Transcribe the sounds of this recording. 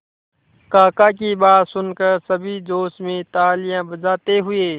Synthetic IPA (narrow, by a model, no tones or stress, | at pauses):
kaːkakibaːt̪sʊnkəɾsəbʱid͡ʒoːsmẽt̪aːlɪjãbəd͡ʒaːt̪eɦʊeː